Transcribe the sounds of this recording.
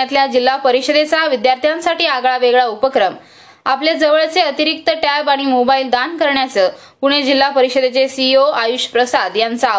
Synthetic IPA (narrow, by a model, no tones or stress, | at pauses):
at̪ljad͡ʑilːapəɾiɕəd̪et͡saʋid̪jaɾt̪ʰjãnsaʈiːaɡɭaʋeɡɭaupəkɾəm | apled͡zəʋəɭt͡seət̪iɾik̚t̪əʈapaɽ̃imobaild̪ankəɾɳjat͡səː | puɽ̃ed͡ʑilːapəɾiɕəd̪et͡sesioajuɕpɾəsad̪jant͡sa